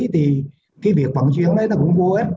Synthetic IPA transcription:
t̪ʰi˨˩ | ki˨˧˦vi˨˩ək̚və˨˧˩ŋt͡ɕwḭ˧˨əŋɗə˨˦jnː˧˦kʊ˧˥wŋ͡mku˧e˦˥

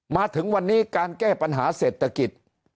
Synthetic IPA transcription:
maː˧t̪ʰɯ˩˦ŋwa˧nːiː˦˥kaː˧nkɛː˥˩pa˧nɦaː˩˦seː˨˩t̪ʰːa˧ki˨˩t̪̚

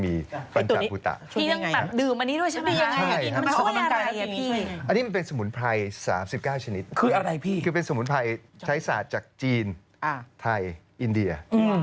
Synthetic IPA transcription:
miː˧ba˧nt̪a˨pʰuː˨˧˦t̪a̰˨˩ʔʰu˥˧iː˥˩t̪a˥˧ŋbɛ˨˧˩p̚dɯː˨˩mʔa˧nːi˦˥du˥˩əjt͡ɕʰa˦˥iː˥a˧a˥˩jma˧˥˧a˧a˧ja˧iː˥ʔa˧nːiː˦˥ma˧npe˧nsa˧mu˩˦npʰa˧jsa̰ː˩˦msi˨˩p̚kaː˥˩wt͡ɕʰa˧ni˦˥t̪̚kʰɯː˧ʔa˧ɾa˧jpʰiː˥˩kʰɯː˧pe˧nsa˧˩mu˩˦npʰa˧jt͡ɕʰa˦˥jsaː˨˩t̪̚t͡ɕaː˨˩k̚t͡ɕiː˧n˧ | t̪ʰa˧jʔi˧ndi˧ɐɯ˧

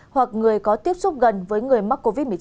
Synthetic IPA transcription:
hwa˨˩k̚ŋɨ˨˩əjkɔ˨˦t̪i˦˥əp̚sʊ˦˥p̚ɣə˨˩nvəː˨˦jŋɨ˨˩əjma˦˥k̚ːo˧vi˦˥t̚mɨ˨˩ə˨˧

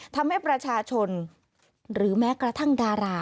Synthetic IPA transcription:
t̪ʰa˧mha˥˩jpɾa˧t͡ɕʰaː˧t͡ɕʰo˧n | ɾɯː˩˦mɛː˦˥kɾa˧t̪ʰa˥˩ŋdaː˧ɾaː˧

